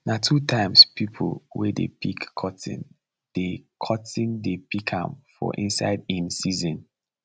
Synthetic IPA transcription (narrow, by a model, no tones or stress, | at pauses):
natʰutʰãɪ̃mspʰipʰlwɛ̰dḛpʰikʰːɔtḭ̃n | d̥ekʰɔtĩndepʰikʰã̰mfɔ̰ʔḭ̃nsa̰ɪdĩnsizɔ̃n